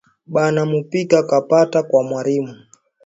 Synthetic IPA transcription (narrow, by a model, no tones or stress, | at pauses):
ɓanamupikakapatakwamwalimu